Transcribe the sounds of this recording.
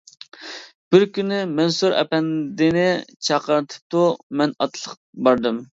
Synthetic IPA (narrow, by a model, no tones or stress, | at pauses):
b̥ɪɾkʲynɪmɛnsuɾɛ̰pɛnd̪ɪnɪt͡ʃʰɑqəɾt̪ʰɨ̥p̚t̪umɛnɑt̪ʰlˠəq̚ | bɑɾd̪ɨm